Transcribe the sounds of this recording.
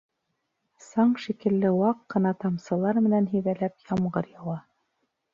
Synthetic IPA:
sɑɴʃikɘ̆lːɘwɑqːɤ̆nɑt̪ɑmsɤ̆lˠɑɾmɘ̆nænɦɵ̆jðælæpjɑmɢɤɾjɑwˠɑ

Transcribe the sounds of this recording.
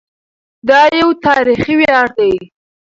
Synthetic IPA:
d̪ɑjawt̪ɑɾixiweɑɾd̪aj

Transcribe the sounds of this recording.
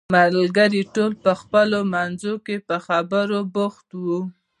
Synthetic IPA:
mallɡaɾiʈolpəxpəlomanzokepəxabəɾobʊxt̪wu

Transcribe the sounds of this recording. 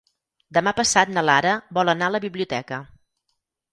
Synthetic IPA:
d̪əmapəsat̪nəlaɾəbɔlˠənaələβiβliut̪ɛkə

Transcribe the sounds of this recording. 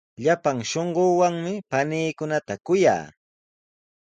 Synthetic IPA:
ʎapaŋʃoɴɢoːwaŋmɪpaniːkʊnat̪akʊja̰ː

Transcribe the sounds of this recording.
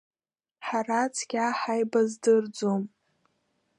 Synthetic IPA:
ħarat͡sʰɡʲaħajbazdɨrd͡zom

